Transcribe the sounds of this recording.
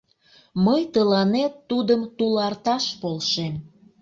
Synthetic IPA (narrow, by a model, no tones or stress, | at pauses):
məjt̪əlɑnet̪ːud̪əmt̪ulɑrt̪ɑʃpolʃem